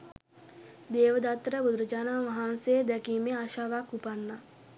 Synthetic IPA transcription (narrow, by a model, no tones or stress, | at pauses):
d̪eːʋəd̪at̪ːɾəbud̪ɾəd͡ʒaːnaʋaɦansejəd̪ɛkiːmeaʃaːʋakːupanːa